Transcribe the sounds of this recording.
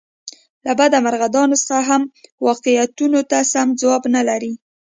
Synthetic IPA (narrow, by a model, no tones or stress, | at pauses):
labad̪amaɾɣad̪ɑnosə̥xaɦamwɑqijat̪unot̪asamd͡zwɑbnalaɾi